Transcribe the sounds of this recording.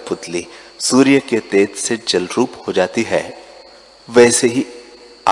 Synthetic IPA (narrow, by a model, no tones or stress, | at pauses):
pʊt̪li | suːɾijəket̪eːt̪sed͡ʒɐlɾuːphod͡ʒaːt̪iɦɛː | ʋɛːseɦi | a